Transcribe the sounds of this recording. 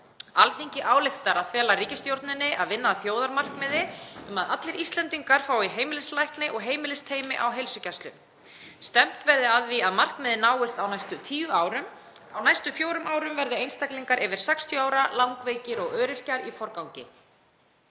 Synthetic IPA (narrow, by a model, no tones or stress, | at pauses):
alt̪iɲcɪʔaːwlɪxt̪aɾaðfɛːlariːcɪst̪jowɾt̪nɪnːɪʔaðvɪnːaːðfjoːwðaɾmar̥kmɛːðɪʏmaðʔat̪lɪɾist̪lɛnt̪iŋkaɾ̥faːwiɦeːjmɪlɪslajhknɪʔɔɣɦeːjmɪlɪst̪ʰeːjmɪʔa̰wɦejlsʏcast̪lʏm | st̪ɛm̥t̪vɛɾðɪaðviaðmar̥kmɛːðɪnaːwɪst̪awnajst̪ʏt̪ʰiːvʏaːwɾʏm | awnajst̪ʏfjoːwɾʏmʔaːwɾʏmvɛɾðɪejnst̪akliŋkaɾʔɛvɪɾ̥sɛkst̪ʰjɔaːwɾalawŋkveːjcɪɾɔɣœːɾɪr̥caɾifɔɾkawɲcɪ̰